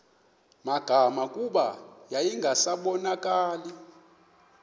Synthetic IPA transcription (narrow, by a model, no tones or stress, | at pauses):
maɡ̥ʱamakʼuɓajajiŋɡʱasaɓɔnakʼaːli